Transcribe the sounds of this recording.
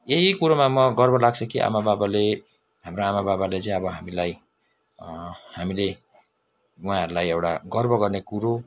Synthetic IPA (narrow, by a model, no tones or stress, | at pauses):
eɦikuɾomamʌɡʌrbʌlaɡt͡sʰʌkiʔa̰mababale | ɦamroamababalet͡sʌ̃j̃ʌbʌɦamilaj | hamile | ũɦãɦʌɾulajewɽa̰ɡʌrbʌɡʌrnekuɾo